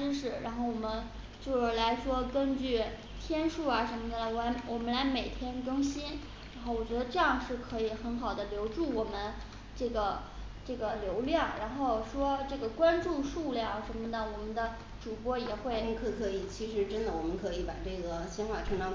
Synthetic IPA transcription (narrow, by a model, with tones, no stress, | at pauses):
ɻ̩˥ʂɻ̩˥˩ɻa˧˥nxo˥˩ʊwɔ˨˩mə˦n | t͡ɕjo˥˧ʊʂ̩˥˩la˧˥ɪʂwɔ˥kə˥nt͡ɕy˥˩ | t̪ʰjɛ˥nʂu˥˩ɐ˩ʂə˧˥nmə˧˩d̪ə˨˩wɔ˨˩˧wɔ˨˩mə˦˥nla˧˥ɪme˨˩ɪt̪ʰjɛ˥nkɤ˥ŋɕi˥n | ɻnxo˥˩ʊwɔ˨˩t͡ɕɥɛ˧˥d̪ə˧ʈ͡ʂɤ˥˧jɑ˥˧ŋʂɻ̩˥˩kʰɤ˧˥i˧˩xə˧˥nxɑ˨˩ʊd̪ə˦ljo˧˥ʊʈ͡ʂu˥˩wɔ˨˩mə˦n | ʈ͡ʂɤ˥˩ɡə˩ | ʈ͡ʂɤ˥˩ɡə˩ljo˧˥ʊljɑ˥˩ŋɻa˧˥nxo˥˩ʊʂwɔ˥ʈ͡ʂɤ˥˩ɡə˩kwa˥nʈ͡ʂu˥˧ʂu˥˧ljɑ˥˩ŋ˨˩ʂə˧˥nmə˧nə˩wɔ˨˩mə˦nd̪ə˧ | ʈ͡ʂu˨˩pwɔ˥jɛ˨˩xwe˥˩ɪ˥kʰɤ˧˥˩kʰɤ˧˥i˨˩t͡ɕʰi˧˥ʂɻ̩˧˥ʈ͡ʂə˥nd̪ə˨wɔ˨˩mə˦nkʰɤ˧˥i˧˥pa˨˩ʈ͡ʂɤ˥˩ɡə˩ɕjɛ˥nxwa˥˩ʈ͡ʂʰɤ˧˥ŋʈ͡ʂɑ˥ŋ